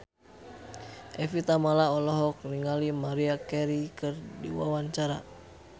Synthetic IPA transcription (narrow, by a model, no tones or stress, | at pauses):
ʔɛfit̪amalaɔlɔɦɔk̚niŋalimaɾiakɛɾikɨrdḭwa̰waɲt͡ʃaɾa